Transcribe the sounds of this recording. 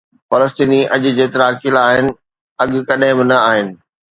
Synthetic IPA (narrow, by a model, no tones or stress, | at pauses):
fɐləst̪iːniʔɐʄʊ̆d͡ʑeːt̪ɐɾaːkilaːɦɪnɪ̆ | ɐɠ̆kɐɗɦɪ̃bɪnɐaːɦɪnɪ̆